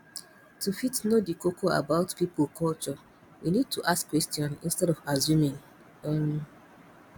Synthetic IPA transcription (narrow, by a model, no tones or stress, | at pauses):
tʰufitnodikokʰoa̰baʊtpipokʰɔlt͡ʃɔ | winid̚tʰuʔaskːwɛstjɔ̃nḭ̃nstɛɾɔfazjũmĩŋ | m